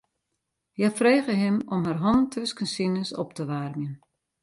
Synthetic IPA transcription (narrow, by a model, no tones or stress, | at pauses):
jafreːɣəɦɪmɔmɦarɦɔntʰøskənsinəsɔ̰p̚təʋarmjən